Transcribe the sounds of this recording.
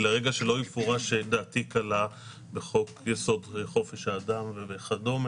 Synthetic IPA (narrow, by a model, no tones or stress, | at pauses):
leʁeɡaʃelo̞ifoʁaʃed̪aːt̪ikala | be̞χo̞kjeso̞deχo̞fe̞ʃhaːd̪amvebeχado̞m